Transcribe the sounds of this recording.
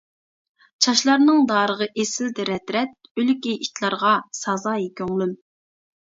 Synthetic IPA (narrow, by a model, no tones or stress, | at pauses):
t͡ʃʰɑʃlˠɑɾnɨŋd̪ɑːɾəʁəʔesɪld̪ɛɾɛt̪ɾɛt̪̚ølykʲiʔit̪lˠɑɾʁɑsɑzɑːjikʲøŋlˠym